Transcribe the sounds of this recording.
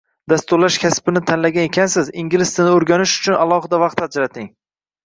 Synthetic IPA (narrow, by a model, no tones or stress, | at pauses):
d̪ast̪ʊɾlaʃkʲʰaspɪnɪt̪ʰanlaɡʲanekʲʰansɪzɪŋɡʲlɪst̪ɪnɪoɾɡʲanɪʃʊ̥t͡ʃʰʊnalˠɒɦɪd̪avɑqt̪ad͡ʒɾat̪ʰɪŋ